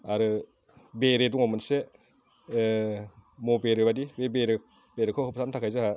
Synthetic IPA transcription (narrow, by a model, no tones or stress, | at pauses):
aɾɯ | beɾeduŋɔmɯnse | mobeɾɯbadibebeɾɯ | b̥eɾɯkʰɯkʰɯpʰsamtʰakʰajzɯha